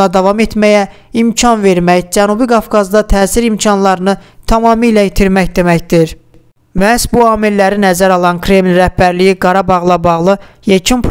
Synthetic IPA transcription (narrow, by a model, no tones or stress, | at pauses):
ɑd̪ɑvɑme̞t̪mæjæ | imcʰɑnve̞ɾmæçd͡ʒænubiɡɑvɡɑzd̪ɑt̪ʰæːsiɾimcʰɑnlˠɑɾɯnɯt̪ʰɑmɑːmilæit̪ʰiɾmæçd̪e̞mæçd̪iɾ | mæsbuɑːmilːæɾinæzæɾɑlˠɑnkʰɾe̞mlɾæhbæɾlijiɡɑɾɑbɑʁlˠɑbɑʁlˠɯjecʰynpʰ